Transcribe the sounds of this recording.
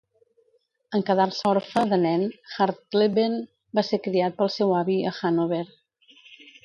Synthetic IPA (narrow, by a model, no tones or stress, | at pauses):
əŋkəðalˠsɔɾfəðənɛnxaɾt̪leβen | basekɾiat̪̚pəlˠsɛwaβiəxanoβeɾ